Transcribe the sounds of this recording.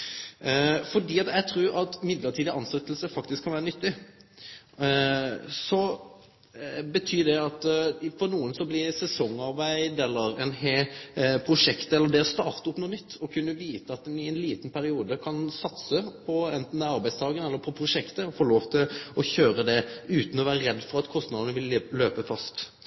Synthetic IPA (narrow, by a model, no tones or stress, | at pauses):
fɔɖiːɑt̪jɛt̪ʰɾʉːɾɑt̪mɪd̪ləɾʈ̪ʰiːd̪əɑnslɛt̪ːəlsəfɑkt̪ɪskʰɑæːɾənʏt̪ːɪ | sɔ | bət̪ʰyːd̪ɛɑt̪fɔɾnuːənsɔblɪsɛsɔŋːɑɾʋæɪd̪ɛlːəɾɛnɦepʰɾʊʂɛkt̪ɛlːəd̪ɛɔst̪ɑːʁt̪əʊpnuːnʏt̪ʰːɔkʰʉnːəʋiːt̪əɑt̪̚d̪ɛnɪɛnliːt̪ən̩pʰæɾɪuːd̪əkʰɑnsɑt̪səpʰɔɛnt̪n̩d̪ɛɑɾbæɪd̪st̪ʰɑːɡənɛlːəɾpʰɔpʰɾʊʂɛkt̪əɔfoːɾloːʋt̪ʰɪlɔçøːɾəd̪ɛʉːt̪n̩ɔʋæːɾəɾɛd̪ːfɔɾɑt̪kʰɔst̪nɑd̪ənəʋɪlːøːpəfɑst̪